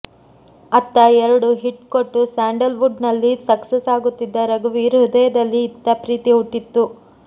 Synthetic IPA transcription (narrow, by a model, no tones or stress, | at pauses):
ɐt̪ːɐɛɾɐɽuɦiʈkoʈːusaːɳɖɐlʋuɖnɐlːisɐksesaːɡut̪ːid̪ːɐɾɐɡuʋiɾɦud̪ɐjɐd̪ɐlːiːt̪ːɐpɾiːt̪iɦuʈːit̪ːu